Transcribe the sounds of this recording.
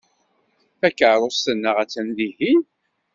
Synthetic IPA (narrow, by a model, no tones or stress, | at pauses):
θækːəʕɾˤost̪ənːəʁæt͡sːænðihin